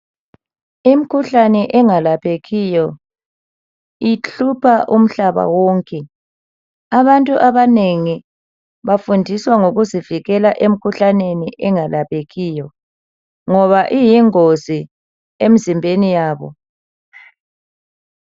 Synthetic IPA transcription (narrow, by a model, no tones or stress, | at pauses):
im̩kʰuɬanɛʔɛŋalapʰeɣijɔ | iɬupʰaʔum̩ɬaβa̰wɔːŋkʼɛ | aβantʼuʔaβaneŋi | βafundʱiswaŋoɣuziviɣɛlaʔem̩kʰuɬaneniʔɛŋalapʰeɣiːjɔ | ŋɔβaʔijiŋozi | em̩zimbʱenijaːβɔ̰